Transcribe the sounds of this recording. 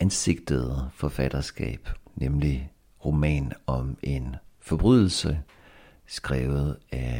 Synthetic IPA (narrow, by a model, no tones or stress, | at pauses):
ænse̝ɡ̥̚d̥ð̩ˠfɒ̽fæd̥ɐsɡ̥ɛ̰ːb̥nemli | ʁo̝mɛ̰ːnɒ̽me̝nfɒ̽b̥ʁyð̰ˠl̩sə | sɡ̥ʁɛːʊð̩ˠæ